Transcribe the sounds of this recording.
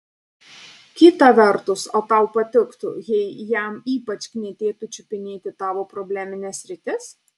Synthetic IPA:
kʲɪt̪ɐʋʲɛɾt̪ʊsoːt̪ɐˑʊpɐt̪ʲɪkt̪ʊ̰jɛɪjæˑmiːpɐt͡ʃʲknʲiɛt̪ʲeːt̪ʊt͡ʃʲʊpʲɪnʲeːt̪ʲɪt̪ɑːʋoːpɾobʲlʲæːmʲɪnʲɛːsʲɾʲɪt̪ʲɪs

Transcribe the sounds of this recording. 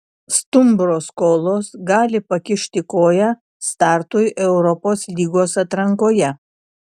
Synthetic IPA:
st̪ʊmbɾoːskoːlˠoːsɡɑːlʲɪpɐkʲɪʃʲt̪ʲɪkoːjɛ | st̪ɑːɾt̪ʊjʔɛʊɾɔpoːslʲiːɡoːsɐt̪ɾɐŋkoːjɛ

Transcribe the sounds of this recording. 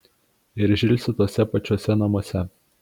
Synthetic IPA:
ɪɾʒʲɪlʲsʲɪt̪oːsʲɛpɐt͡ʃʲoːsʲɛnɐmoɔsʲɛ

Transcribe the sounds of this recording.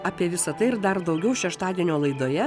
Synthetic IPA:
ɑːpʲiɛʋʲɪsɐt̪ɐɪɪɾd̪ɐrd̪ɐʊɡʲɛʊʃʲɛʃt̪ɑːd̪ʲiɛnʲoːlˠɐɪd̪oːjɛ

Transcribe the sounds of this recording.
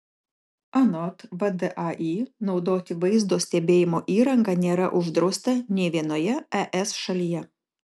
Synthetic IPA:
ɐnɔt̪ʋɐd̪ɛʔɐʔiːnɒʊd̪oːt̪ʲɪʋɐɪzd̪oːsʲt̪ʲɛbʲeːjɪmoːʔiːɾɐŋɡɐnʲeːɾɐ̰ʔʊʒd̪ɾɐʊst̪ɐnʲɛɪʋʲiɛnoːjɛɛʔɛsʃɐlʲijɛ

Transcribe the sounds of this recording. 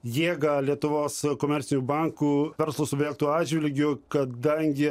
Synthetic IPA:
jeːɡɐlʲiɛt̪ʊʋoːskoːmʲɛɾʲsʲɪnʲuːbɐŋkuːʋʲɛɾslˠʊːsʊbʲɛːlʲkt̪uːɑːʒʲʋʲɪlʲɡʲʊkɐd̪ɐŋʲɡʲɪ

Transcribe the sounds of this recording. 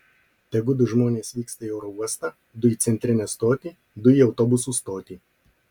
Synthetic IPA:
t̪ʲɛɡʊd̪ʊʒmoːnʲeːsʋʲiːkst̪ɐiɛʊɾɔuɔst̪ɑ | d̪ʊiːˑt̪sʲɛnʲt̪ʲɾʲɪnʲɛst̪oːt̪ʲiː | d̪ʊiɒʊt̪ɔbʊsuːst̪oːt̪ʲiː

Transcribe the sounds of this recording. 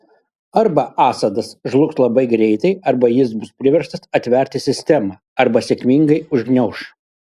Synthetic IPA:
ɐɾbɐʔɑːsɐd̪ɐsʒlˠʊkslˠɐbɐɪɡɾʲɛɪt̪ɐɪɐɾbɐjɪs̬bʊspʲɾʲɪʋʲɛɾʃt̪ɐsɐt̪ʲʋʲɛˑɾʲt̪ʲɪsʲɪsʲt̪ʲɛmɑː | ɐɾbɐsʲɛkʲmʲiŋɡɐɪʊʒʲɡnʲɛʊʃ

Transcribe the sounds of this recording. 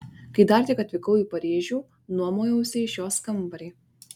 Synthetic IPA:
kɐɪd̪ɐːɾʲt̪ʲɪkɐt̪ʲʋʲɪkɐʊjiːpɐɾʲeːʒʲuː | nuɔmoːjɛʊsʲɪʃjoːskɐmbɐɾʲiː

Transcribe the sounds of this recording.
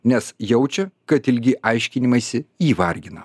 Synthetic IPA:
nʲɛsjɛʊt͡ʃʲɛkɐt̪ɪlʲɡʲɪʔɐɪʃʲkʲɪnʲɪmɐsʲɪiːʋɐɾʲɡʲɪnɐ

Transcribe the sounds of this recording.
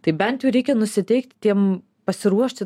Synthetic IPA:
t̪ɐɪbʲɛnʲt̪ʲjʊɾʲɛɪkʲɛnʊsʲɪt̪ʲɛɪkt̪ʲt̪ʲiɛm | pɐsʲɪɾuɔʃʲt̪ʲɪ

